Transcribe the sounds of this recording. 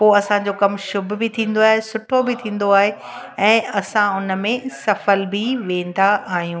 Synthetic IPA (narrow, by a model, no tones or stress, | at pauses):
poːɐsãd͡ʑokɐmʃʊbʱbɪt̪ʰĩːn̆d̪oaːɦesʊʈʰobɪt̪ʰĩːn̆d̪oaːɦe | ɛ̃ːɐsãʊn̆mẽsɐfəlbɪʋẽːn̆d̪aʔaːɦijũː